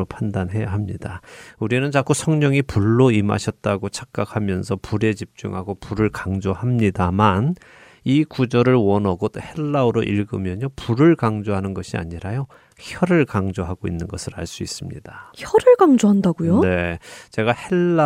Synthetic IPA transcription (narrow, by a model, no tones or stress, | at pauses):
opʰandanɦe̞jaɦamɲidauɾinɯnt͡ɕak͈usʰʌŋɲʌŋipuɭːoima̰ɕʰʌt̚t͈aɡot͡ɕʰak̚k͈akʰhamjʌnsʰʌpuɾe̞t͡ɕip̚t͡ɕ͈ṵŋɦaɡopuɾɯɭkaŋd͡ʑohamɲidaman | ikud͡ʑʌɾɯɭwʌnʌɡot͈ohe̞ɭːaɯɾoʔiɭɡɯmjʌɲopuɾɯɭkaŋd͡ʑoɦanɯnɡʌɕʰia̰ɲiɾajo | çjʌɾɯɭkaŋd͡ʑoɦaɡoinːɯnɡʌsʰɯɾa̰ɭs͈uis͈ɯmɲḭdaçʌɾɯɭkaŋd͡ʑoɦandaɡujone̞t͡ɕe̞ɡahe̞ɭːa